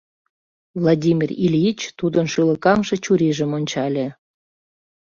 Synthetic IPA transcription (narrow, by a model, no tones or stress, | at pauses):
vlˠɑdʲimʲirilʲit͡ɕt̪ud̪ənʃɯləkɑmʃĕt͡ɕuɾiʒə̆monʲt͡ɕɑlʲe